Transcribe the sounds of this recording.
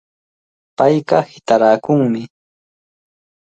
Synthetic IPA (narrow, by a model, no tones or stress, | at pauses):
pajkɑhɪt̪aɾaːkʊŋmɪ